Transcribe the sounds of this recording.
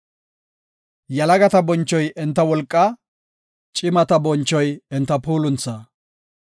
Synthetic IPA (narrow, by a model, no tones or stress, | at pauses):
jɐlɐɡɐt̪ɐbɔnt͡ʃːɔjʔɛnt̪ːɐwɔlkʼːɐ | t͡ʃʼɪmɐt̪ɐbɔnt͡ʃːɔjɛnt̪ːɐpuːlʊnt͡sːɐː